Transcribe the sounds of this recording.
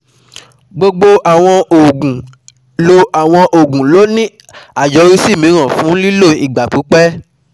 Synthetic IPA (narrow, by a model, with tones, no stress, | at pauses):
ɡ͡bo˧ɡ͡bo˧ʔa˨w̃ɔ̃˧o˨ɡũ˨ | lo˦a˨w̃ɔ̃˧ʔo˨ɡũ˨lo˨˦nĩ˦ | a˦˨d͡ʒɔ˨˦ɾi˦si˦˨mĩ˨˦ɾ̃ã˦˨fũ˨˦li˦lo˦˨i˨ɡ͡ba˨k͡pu˨˦k͡pɛ˦